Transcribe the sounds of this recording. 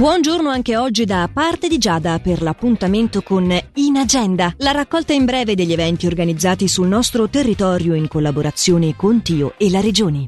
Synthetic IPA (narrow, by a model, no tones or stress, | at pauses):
bwɔnd͡ʒornoaŋkeɔd͡ʒːid̪apart̪ed̪id͡ʒaːd̪aperlapːunt̪ament̪okoninad͡ʒɛnd̪alaɾakːɔlt̪aimbɾɛːved̪eʎːevɛnt̪iorɡanid̪zːaːt̪isulnɔst̪ɾot̪erːit̪ɔɾjoiŋkolːaboɾat̪sːjoːnekont̪iːoelːaɾed͡ʒoːni